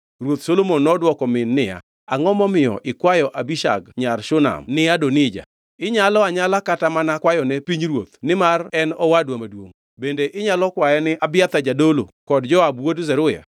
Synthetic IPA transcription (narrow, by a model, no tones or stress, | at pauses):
rwot̪solomonːɔdwɔkɔmɪnːɪja̰ | aŋɔmɔmɪjɔ̰ʔɪkwajɔʔabiʃa̰ɡɲarʃʊna̰mnɪadonɪd͡ʒa̰ | ɪɲalɔaɲalakatamanakwajɔnɛpiɲɾwo̰t̪nɪmarɛnɔwadwamadwo̰ŋ | bendeʔɪɲalɔkwajɛnɪʔabɪat̪ad͡ʒadolo̰kɔdd͡ʒɔabwodzɛɾʊja̰